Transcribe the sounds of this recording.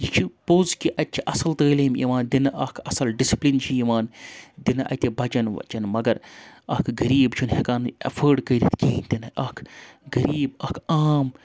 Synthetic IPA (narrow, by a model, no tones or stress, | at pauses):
jikʰipoːzkiʔɐtʲt͡ʃʰiʔɐsɐlt̪əːlimḭʋaːnd̪inɐʔɐːkʰɐsɐlɖisi̥plint͡ʃʰiiʋaːnd̪inɐʔɐ̰t̪ʲibɐt͡ʃɐnʋɐ̰t͡ʃɐnmɐɡɐɾɐːkʰɡɐɾiːbt͡ʃʰunhɐkaːnɐ̰fʰəːɖkəːɾʲit̪ʰkʲiːnt̪inɐɐːkʰɡɐɾiːbɐkʰaːm